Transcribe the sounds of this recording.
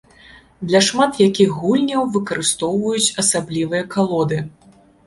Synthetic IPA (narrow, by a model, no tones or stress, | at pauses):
d̪lʲɐʂmat̪jakʲixɣulʲnʲɐwvɨkɐɾɨst̪ɔwvɐjut͡sʲɐsablʲivɨjɐkalˠɔd̪ɨ